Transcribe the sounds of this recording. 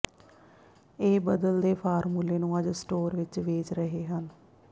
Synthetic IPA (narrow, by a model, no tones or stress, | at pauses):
eːbəd̪əld̪eːpʰaːɾmuːleːnũːəd͡ʒsʈoːɾʋɪt͡ʃʋeːt͡ʃɾəɦeːɦən